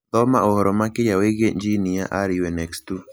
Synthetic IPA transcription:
t̪ɔma̰ʔohɔɾɔmakɪjaweɣeɲd͡ʒiniaʔaɾiwɛnɛkstu

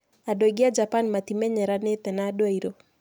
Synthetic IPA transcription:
adoiɡɪad͡ʒapanmat̪imɛɲɛɾanɪt̪ɛnadoaiɾo

